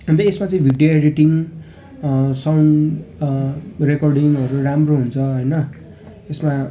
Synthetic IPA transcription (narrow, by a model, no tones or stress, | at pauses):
ʌnt̪ʌesmat͡sʌĩbʱiɖjoeɾiʈiŋ | sʌwn | rekʌrɖiŋʌɾuramroɦunt͡sʰʌɦʌjnʌ | esma